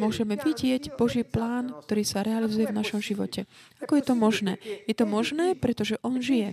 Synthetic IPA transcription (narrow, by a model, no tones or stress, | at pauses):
mʊɔʒɛmɛʋiɟɪɛɟbɔʒiːplaːnkt̪ɔɾiːsaɾɛalizujɛvnaʃɔmʒiʋɔcɛakɔjɛt̪ɔmɔʒnɛːjɛt̪ɔmɔʒnɛːpɾɛt̪ɔʒɛʔɔnʒijɛ